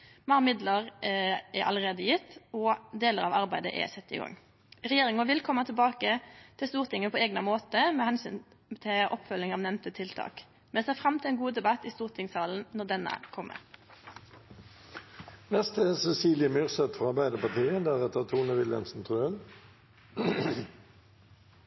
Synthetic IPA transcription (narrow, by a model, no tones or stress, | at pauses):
mɑʁmɪd̪ləʁʔɛɾʔɑ̰ləʁeːd̪əjɪt̪ːɔd̪eːləʁɑːʋɑʁbæɪd̪ə̰ʔɛ̰sɛt̪ːɪ̰ːɡɔ̰ŋː | ʁɛjeːʁɪŋəʋɪlkʰɔmːɑt̪ʰɛlbɑːkət̪ʰɪlst̪uːʁt̪ʰɪŋːəpʰɔːeːɡnəmoːt̪əmɛhɛnsyːn | t̪ʰɪʔɔpfœlɪŋɑʋnɛmt̪ət̪ʰɪlt̪ʰɑ̰ːk | mɛsɛːfɾɑmt̪ʰɪlɛːnɡuːd̪ɛbɑt̪ːist̪uːʁt̪ʰɪŋsɑːln̩nɔɖ̪ɛnə̰kʰɔmːʔə̰ | nɛst̪ʰəsɛsiːljəmyʁsɛt̪fɔʁɑʁbæɪd̪əpɑʁt̪iːəd̪æʁɛt̪ət̪ʰuːnəʋɪljə̰nsn̩t̪ʰʁøːən